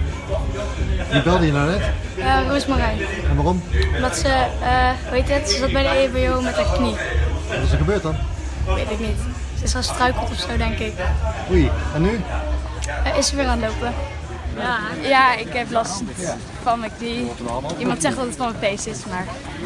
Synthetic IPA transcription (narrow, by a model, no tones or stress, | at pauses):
ʋibɛlˠdəjənawnɛt | ənuɪsmarɛjɛnʋaːɔmɔmdɑtsəəʋejtətsəzɑt̚bɛjdəebeowmɛtəkni | ʋɑtɪs̬əɹχəbøːt̚dɑn | ʋejtɪknit | səɪsəəstrœɥkəlˠtɔfsowdɛŋkɪkujɛnːy | ʔɪsəɹʋɪːraːnlowpə | jaːɪkɦɛplɑst | fɑnməkniimɑntsɛχtdɑtətfɑnməfejsɪsmaːɹ